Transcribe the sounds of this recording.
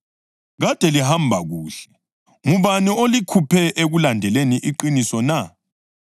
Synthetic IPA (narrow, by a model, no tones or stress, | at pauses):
ɣad̥ʱɛlihambʱaɣuːɬɛ̥ | ŋuβaniolikʰupʰɛʔeɣulandʱɛleniʔiǃinisɔna